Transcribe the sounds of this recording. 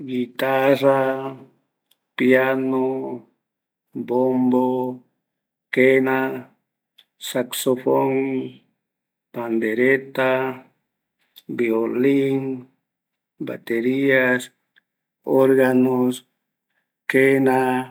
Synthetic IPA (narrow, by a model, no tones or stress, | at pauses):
ɡit̪ara | pjano | bombo | kena | saksofoŋ | pand̪eɾet̪a | bioliŋ | ba̰t̪eɾias | oɾɣanos | kena